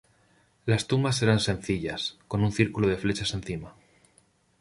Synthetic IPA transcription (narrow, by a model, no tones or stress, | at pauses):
last̪umas̬e̞ɾansẽ̞nθiʎasko̞nunθiɾkuloð̞e̞fle̞t͡ʃase̞nθima